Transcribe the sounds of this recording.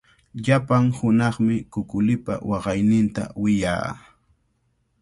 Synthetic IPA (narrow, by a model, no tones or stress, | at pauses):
ʎapaŋhʊnɑχmɪkʊkʊlɪpa̰wɑɢɑjnɪnt̪a̰wɪja̰ː